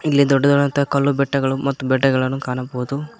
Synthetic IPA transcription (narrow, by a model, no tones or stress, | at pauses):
ilːid̪ɔɖːɐd̪ɔɾɐnt̪ɐkɐlːubɛʈːɐɡɐɭumɐt̪ːubɛɖːɐɡɐɭɐnːukaːɳɐbɐʋud̪u